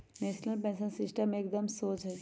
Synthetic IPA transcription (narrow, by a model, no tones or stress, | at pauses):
neːsnəlpɛ̃ːnʃə̃nsɪsʈəmeːkd̪əmsoːt͡ʃɦɛ